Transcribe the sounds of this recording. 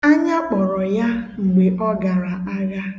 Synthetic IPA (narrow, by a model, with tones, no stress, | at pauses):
a˦ɲa˦k͡pɔ˨ɾɔ˨ja˦ŋ͡m̩˨ɡ͡be˨ʔɔ˦ɡa˨ɾa˨a˦ɡa˦